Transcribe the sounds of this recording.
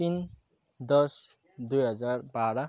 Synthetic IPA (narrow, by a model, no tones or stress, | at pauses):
t̪in | d̪ʌs | d̪ujɦʌd͡zarbaɾʌ